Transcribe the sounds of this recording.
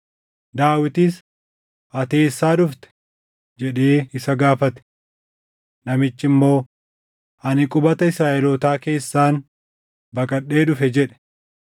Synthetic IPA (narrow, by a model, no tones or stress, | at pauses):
d̪aːwɪt̪ɪs | ʔɐt̪e̞ːsːaːᶑʊft̪ɛ̥ | d͡ʒɛᶑeːɪsɐɡaːfɐt̪ɛ̥ | nɐmɪt͡ʃːɪmːo̞ː | ɐnɪkʼʊbɐt̪ɐɪsɾaːʔɛloːt̪aːke̞ːsːaːn | bɐkʼɐɗe̞ːᶑʊfɛd͡ʒɛᶑɛ̥